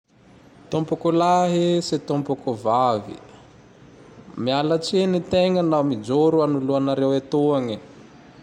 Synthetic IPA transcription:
t̪ompukulaɦisit̪ompukuvavḭ | mialat͡ʃenit̪eŋənawmid͡ʒoɾuanuluanaɾewet̪uaŋi

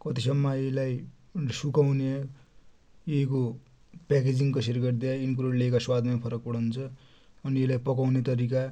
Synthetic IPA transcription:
kʌt̪isʌmːʌelaj | sukawne | eko | pɛked͡ziŋkʌserɡʌʈd̪iainikuɾoleekaswad̪ʱmajpʰʌɾʌk̚pʌɽ̤awnt͡sʰʌː | nielajpʌkawnet̪ʌɾika

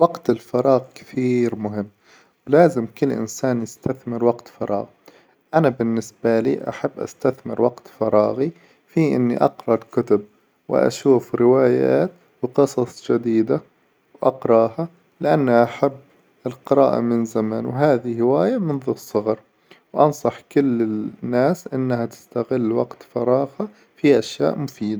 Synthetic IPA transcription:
wɑɡt̪ɪlfɑɾˤɑːɣkɪ̥θiːɾmʊɦɪmː | wlaːzɪmkʊlːʔɪ̰nsaːnjɪst̪ʰaθmɪɾwaɡt̪fɑɾˤɑ̰ːɣ | ʔanabɪnːɪsbaliːʔa̰ħabːʔa̰st̪aθmɪ̰ɾwaqt̪fɑɾˤɑːɣi | fiʔɪ̰nːḭʔɑqɾˤɑkʊt̪ʊb̚ | wɪ̰ʔa̰ʃuːfɾɪwaːja̰ːt̪ | wqɨsˤɑsˤd͡ʒad̪iːd̪a | wʔɑqɾˤɑːha | lɪʔanːaʔaħabː | ɪlqɨɾˤɑːʔa̰mɪnzamaːnwɦaːðihɪwaːjamɪnðʊsˤːɨɣɑɾˤ | wʔɑnsˤɑħkʊlːɪnːaːsʔɪnːhat̪ɪ̥st̪aɣɪlːwaɡt̪fɑɾˤɑːɣa | fiʔaʃja̰ːʔmʊfiːd̪a

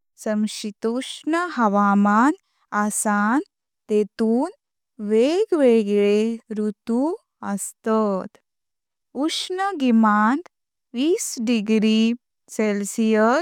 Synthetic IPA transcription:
səmɕit̪oʂnəɦɐʋaːman | asan | t̪et̪uːn | ʋeɡʋeɡɭeɾut̪u | əst̪at̪ | uʂnəɡimant̪ | ʋiːsɖiɡɾi | selsijə

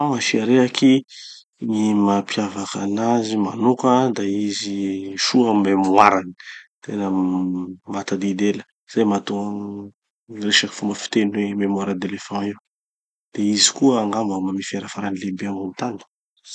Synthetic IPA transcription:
aŋafiaɾeaki | nimapʰjavakanazima̰nokad̪aiziʃuamemwaɾanit̪enə | mat̪ad̪id̪elə̥ | z̥ajmat̪u | reʃaki̥fumbəfi̥t̪enwememwaɾad̪elefãiw | d̪̥eizi̥kuəːŋɡambamamifiaɾafaɾanilebeamant̪ani̥

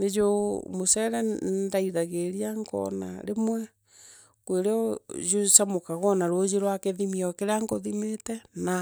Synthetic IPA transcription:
ned͡ʒomosɛɾɛdaiðaɣeɾiaŋɡɔ̰na̰ɾemwɛ | kweɾeɔjosamokaɣɔnaɾod͡ʒeɾwakeðimiɔkeɾeaŋɡoðimetɛna

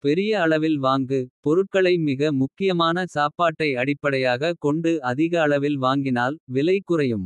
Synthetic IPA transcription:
pɛɾɪjɐːɭɐʋɪlʋaːŋɡɯpɔɾɯʈ̚kɐɭɐɪmɪɣɐmʊkːɪjɐmaːnɐsaːpaːʈːɐɪɐɽɪpːɐɽɐjaːɣɐkɔɳɖɯɐðɪɣɐːɭɐʋɪlʋaːŋɡɪnaːlʋɪlɐɪkːɯrɐjɯm

